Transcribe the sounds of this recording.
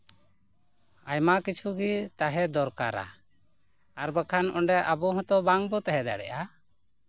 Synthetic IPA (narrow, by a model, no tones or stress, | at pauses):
ajmakit͡ʃʰuɡit̪aɦɛd̪ɔɾka̰ɾa̰ | aɾbakʰanʔɔɳɖɛʔabɔɦɔ̃t̪ɔbaŋbɔt̪aɦɛd̪a̰ɽɛ̰ʔa